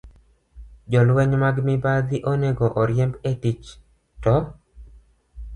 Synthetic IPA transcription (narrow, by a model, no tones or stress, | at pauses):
d͡ʒɔlwɛɲmaɡmibad̪iʔoneɡɔʔɔɾjɛmbetit͡ʃ | tɔ